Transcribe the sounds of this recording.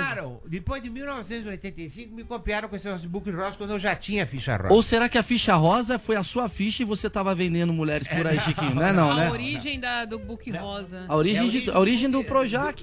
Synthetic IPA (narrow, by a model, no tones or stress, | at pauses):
ɾɐ̃ww̃d̪ɪpojzd̪ɪmiwnɔvɪsẽnt̪ʊziojt̪ẽnt̪ejsĩŋkʊmɪkopiaɾɐ̃wkõesɪnɔs̬ʊɪbukihɔzɐkwɐ̃nd̪ʊewʒat͡ʃĩɲɐɐfiʃɐ̰ɾɔ̰zowseɾakɪɐfiʃɐɦɔzɐfojɐsuɐfiʃɐɪvoset̪avɐvẽnd̪ẽnd̪ʊmuʎɛɾɪspʊɾaiʃikĩɲʊnɛnɐ̃w̃nɛoɾiʒẽj̃d̪ɐd̪ʊbukɪhɔzɐaoɾiʒẽj̃d͡ʒɪaoɾiʒẽj̃d̪ʊpɾoʒakɪ̥